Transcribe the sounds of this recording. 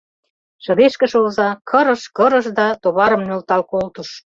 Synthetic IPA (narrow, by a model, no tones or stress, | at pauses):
ʃɤ̆ɾeʃkə̆ʃolzɑkʰɤ̆ɾɤ̆ʃkɤɾə̆ʃd̪ɑt̪oβɑɾə̆mnølt̪ɑlkolt̪uʃ